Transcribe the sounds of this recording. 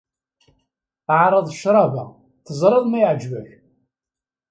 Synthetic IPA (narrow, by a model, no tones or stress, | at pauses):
ʕɾˤɑðˤʃɾˤɑvæ | θəzˤɾˤɨðˤmæjʕd͡ʒvæç